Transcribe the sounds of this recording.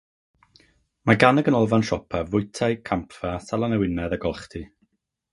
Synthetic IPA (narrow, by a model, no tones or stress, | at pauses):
maɡanəɡənɔlˠvanʃɔpʰavʊɨtʰajkʰampʰfasalˠanɛwɪnɛðaɡɔlˠχtʰi